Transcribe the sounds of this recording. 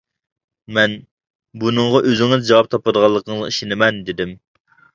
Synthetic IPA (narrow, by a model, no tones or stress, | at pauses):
mɛn | bunɨŋʁɑʔøzɪŋɪzd͡ʒɑwɑp̚t̪ʰɑpəd̪əʁɑlˠːəqʰəŋzɨiʃinɪmɛnd̪ɪd̪ɪm